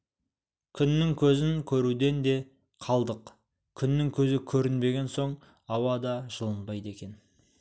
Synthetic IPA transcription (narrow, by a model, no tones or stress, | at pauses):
kʲʰʏnːɪŋkʲʰɵzɪŋkʲʰɵɾud̪e̞nd̪e̞ | qʰɑlˠd̪əq | kʲʰʏnːɪŋkʲʰɵzɪkʲʰɵɾɪnbe̞ɡʲe̞nso̞ɴ | ɑwɑd̪ɑʒəlˠənbɑjd̪e̞kʲe̞n